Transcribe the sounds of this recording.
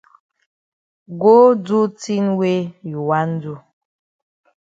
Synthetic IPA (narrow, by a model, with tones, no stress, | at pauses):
ɡo˦d͡zu˦ti˦nwe˦ju˨wa˦n˦du˦